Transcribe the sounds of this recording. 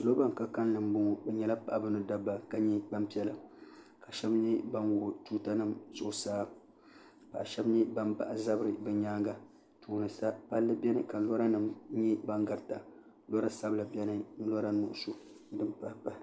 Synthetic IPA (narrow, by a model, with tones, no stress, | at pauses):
lo˦ba˦ŋ˨ka˨ka˦n˦lɨ˨m˦bʊ˦ŋɔ˨bɛ˨ɲɛ˦la˦pa˨ʔbɨ˦nɨ˦da˦bːa˨ka˦ɲɛ˦ba˦mpi˦ɛ˦la˨ | ka˨ʃɛ˦bɲɛ˦ba˦nwo˨tuː˦ta˦nɨ˦˨mz̥ʊ˨ʔʊ˨saː˦ | pa̰˨ʔʃɛ˦bɲɛ˦ba˦mpa̰˨ʔa˨za˦bɨ˦ɾɨ˨bɛ˨ɲaː˦ŋɡa˨ | tuː˨nɨ˨sa˦pa˦lːɨ˦bɛ˦nɨ̰˦ka˨lɔ˦ɾa˦nɨ˨mɲɛ˦ba˦ŋɡa˨ɾta˨ | lɔ˦ɾa˦sa˦bla˨bɛ˦nɨ˦n̩˦lɔ˦ɾa˦nʊ˨ʔʊ˦su˦ | dɨ˦˨mpa˦pa˨